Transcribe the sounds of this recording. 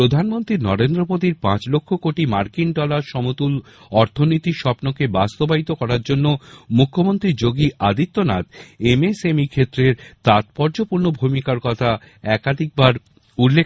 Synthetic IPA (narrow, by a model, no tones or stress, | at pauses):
ɾod̪ʱanmont̪ɾinɔɾend̪ɾopod̪iɾpã̰t͡ɕlokʰːokoʈimaɾkinɖɔlaɾʃɔmot̪ul | ɔɾt̪ʰonit̪iʃɔpnokebast̪obait̪okɔɾaɾd͡ʑonːomukʰːomont̪ɾiɾd͡ʑoɡiʔad̪it̪ːonat̪emesemikʰet̪ːɾeɾt̪at̪pɔɾd͡ʑopuɾnobʱumikaɾkɔt̪ʰa | ɛkad̪ʱik̚baɾ | ulːe